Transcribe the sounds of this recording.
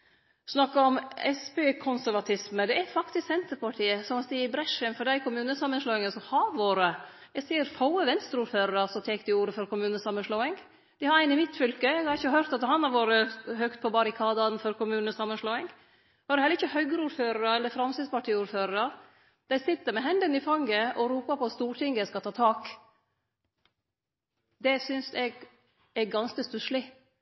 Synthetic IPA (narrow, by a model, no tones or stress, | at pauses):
snɑkːɑɔmɛspeːkʰʊnsæɾʋɑt̪ʰɪsməd̪ɛæfɑkt̪ɪsɛnt̪əɾpɑʈʰiːəsɔmɑt̪d̪ɪɪbɾɛʂənfɔɖdæɪkʰʊmʉːnəsɑmːənʂloːɪŋəsɔmhɑʋoːɾə | ɛɡsiːəɾfɑʊəʋɛnst̪ɾəuːɾføːɾəɾəsɔmt̪ʰɛːk̚d̪ɪuːɾəfɔɾkʊmʉːnəsɑmːənʂloːɪŋ | d̪̥ɪhɑɾæɪnɪmɪt̪fʏlkəɛɡhɑɾɪçəhœɾt̪ɑt̪̚d̪ɛhɑnɑɾʋoːɾəɦœkt̪̚pʰɔbɑɾɪkʰɑːd̪ɑnfɔɾkʰʊmʉːnəsɑmːənʂloːɪŋ | hɑɾhɛlːɾɪçəhœʏɡəɾuːɾføːɾəɾəɛlːəɾfɾɑmsɪspɑʈʰiːuːɾføːɾəɾə | d̪̥æɪsɪt̪ːəɾmɛɦɛnd̪ənɪfɑŋːəʔɔɾuːpɑpʰɔɑt̪st̪uːʈʰɪŋɡəskɑt̪ʰɑːt̪ʰɑːk | d̪ɛsʏnsɛɡ | ɛɡɑnskəst̪ʉʃlɪ